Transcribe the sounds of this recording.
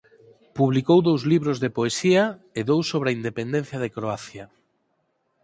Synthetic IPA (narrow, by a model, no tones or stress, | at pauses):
puβlikowðowzliβɾozðepoesiɐeðowsoβɾeaind̪epend̪ẽn̟θjɐð̞ekɾoaθjɐ